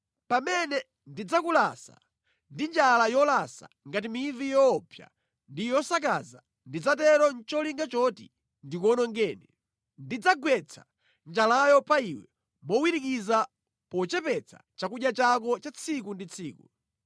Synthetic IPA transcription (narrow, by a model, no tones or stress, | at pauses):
pamɛnɛ | ndid͡zakulasa̰ | ndind͡ʒalajɔlasa̰ | ŋɡat̬imivijɔːpʰja̰ | ndijɔsak̬aza | ndid͡zatɛɾɔnt͡ʃɔliŋɡat͡ʃɔtḭ | ndikɔnɔŋɡɛːnɛ | ndid͡zaɡwɛt͡sʰḁ | nd͡ʒalajɔpaiwɛ | mɔwiɾik̬iza | pɔt͡ʃɛpɛt͡sʰa̰t͡ʃakuɗjat͡ʃak̬ɔt͡ʃat͡sʰikundit͡sʰiːku